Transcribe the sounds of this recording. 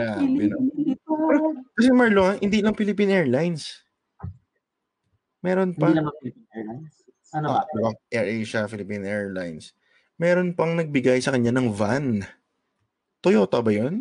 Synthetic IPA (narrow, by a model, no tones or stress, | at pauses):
aɡɐnonpɛɾokɐsɛmaɹloŋahɪnd̪ilɐŋfɪlɪpinʔɛːɹlajns | mɛːɾo̞npɐlmɐpinɛajns | ɐnod̪ɪbaʔɛɹʔeʃafɪlɪpinʔɛːɹlajns | mɛːɾo̞npɐŋnɐɡ̚bɪɡajsɐkɐɲːanɐŋvan | t̪ojoːt̪obɐjon